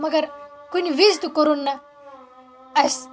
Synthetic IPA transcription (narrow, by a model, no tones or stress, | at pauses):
mɐɡɐɾkuniʋizt̪ukoɾunːɐ | ɐs